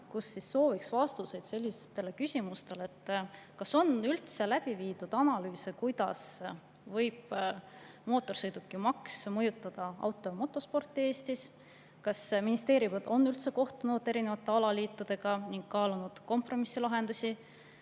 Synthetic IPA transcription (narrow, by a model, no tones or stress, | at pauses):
kusːisːo̞ːviksvɑst̪use̞jd̪̥se̞lʲːist̪e̞le̞kysʲimust̪e̞le̞t̪ːˑ | kɑso̞nylt̪se̞læb̥iviːd̪ud̪̥ɑnɑlyːsekujd̪̥ɑ̰s | vɤjb̥ | mo̞ːt̪ːˑo̞rsɤjd̪ukˑːimɑksmɤjut̪ːˑɑd̪̥ɑɑ̰wt̪ːˑo̞jmo̞t̪ːˑo̞spo̞rt̪ːˑie̞ːst̪is | kɑsminist̪e̞ːɾivɑd̪̥o̞nːylt̪se̞ko̞ht̪unud̪̥eɾine̞vɑt̪ːˑe̞ɑlɑliːt̪ːˑud̪̥e̞ɡ̥ɑniŋɡ̥̚kɑːlunud̪̥ko̞mpro̞misːilɑɦe̞nd̪̥usʲi